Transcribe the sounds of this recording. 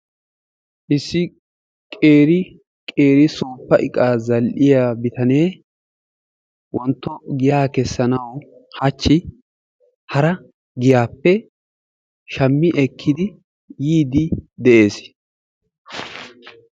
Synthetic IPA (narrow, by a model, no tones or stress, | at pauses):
ʔɪsːɪ | kʼeːɾɪ | kʼe̞ːɾɪsuːpːɐʔɪkʼaːzɐlʔɪjaːbɪt̪ɐneː | wɔnt̪ːɔɡɪjaːkɛsːɐnɐwhɐt͡ʃːɪ | hɐɾɐ | ɡɪjaːpːɛ | ʃɐmːɪʔɛkʰːɪd̪ɪ | jiːd̪ɪd̪ɛʔe̞ːs